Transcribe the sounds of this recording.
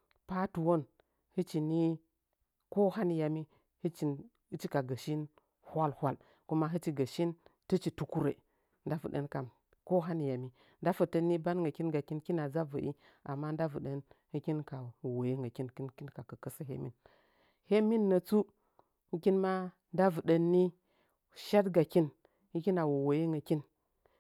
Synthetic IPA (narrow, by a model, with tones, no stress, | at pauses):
pa˦tu˨wo˦n | hɨ˦t͡ʃi˨ni˦ | ko˦ha˦n˨ja˨mi˦ | hɨ˦t͡ʃi˨ | ɨ˦t͡ʃi˦ka˨ɡə˨ʃi˦n | hʷa˦lhʷa˦˨l | ku˦ma˦ɦɨ˦t͡ʃi˦ɡə˨ʃi˦ntɨ˦t͡ʃi˨tu˦ku˦ɾḛ˨ | nda˦və̰˨ɗə̰˦nka˨m | ko˦ɦa˦ni˨ja˨mi˦ | nda˦fə˨tə˦nːi˦ba˦nŋɡə˨ki˦nɡa˨ki˦nki˦na˨d͡za˦və˨ʔi˦ | a˨mːa˦n˦da˦və˨ɗə˦nhi˦kʲi˦nka˨wu˨wo˨je˦ŋɡa˨ki˦nki˦nki˦nka˨kə˨kə˦sə˦ɦḛ˦mḭ˦n | he˦mi˦nːə˨t͡su˦ | ŋ̩˦ki˦nma˦ | n˦da˦və˨ɗə˦nːi˦ | ʃa˦tɡa˨ki˦n | hi˦ki˦na˨wo˨wo˨je˦ŋɡə˨ki˦n